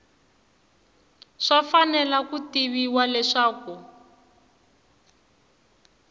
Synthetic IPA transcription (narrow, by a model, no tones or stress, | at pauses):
ʂafanɛlakutiβiwalɛʂaːku